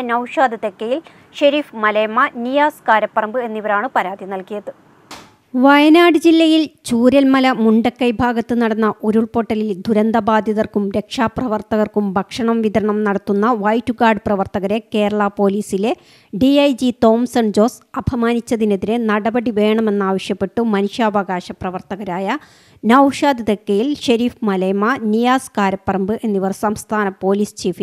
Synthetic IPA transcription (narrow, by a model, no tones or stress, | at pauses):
nɐwʂaːd̪ʱɐt̪ekːɐjil | ɕɐɾiːfmɐleːmːɐnijaːskaːɾɐpːɐrɐmbɨe̞nːiʋɐɾaːɳɨpɐɾaːd̪ʱinɐlkijɐðɨ | ʋɐjɐnaːɽɨd͡ʑilːɐjilt͡ɕuːɾɐlmɐlɐmuɳɖɐkːɐjbʱaːɡɐt̪ːɨnɐɽɐnːɐʔoɾuɭpo̞ʈːɐlild̪ʱuɾɐnd̪ɐbaːd̪ʱjɐðɐrkumɾe̞kʂaːprɐʋɐrt̪ɐɣɐrkumbʱɐkʂɐɳɐmʋiðɐɾɐɳɐmnɐɽɐt̪ːunːɐʋɐjtːuɡaːrɖɨprɐʋɐrt̪ɐɣɐɾe̞ke̞ːɾɐɭɐpo̞ːliːsile̞ | ɖiɐjd͡ʑit̪o̞ːmsɐɳd͡ʑo̞ːsɐbʱɐmaːnit͡ɕːɐðine̞ðinenɐɽɐbɐɽiʋe̞ːɳɐme̞nːaːʋɐɕjɐpːe̞ʈːumɐnuʂjaːʋɐɡaːɕɐprɐʋɐrt̪ɐɣɐɾaːjɐ | naːwʂaːd̪iðɐkːɐjilɕɐɾiːfmɐlɐjmɐnijaːskaːɾɐpːɐrɐmbɨʔenːiʋɐrsɐmst̪ʰaːnɐpo̞ːliːst͡ɕiːfi